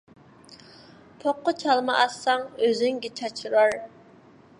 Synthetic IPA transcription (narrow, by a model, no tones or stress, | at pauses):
pʰoqːʊt͡ʃʰɑlˠmɑʔɑsɑŋøzɪŋɡʲɛt͡ʃʰɑt͡ʃʰɾɑɾ